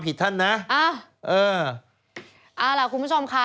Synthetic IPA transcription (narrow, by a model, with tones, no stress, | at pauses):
pʰi˨˩t̪̚ʰːa˥˩nːa˦˥ʔaː˧˩ʔɤː˧ | ʔaː˧˩la˨˩kʰu˧nmpʰu˥˩t͡ɕʰo˧mkʰa˦˥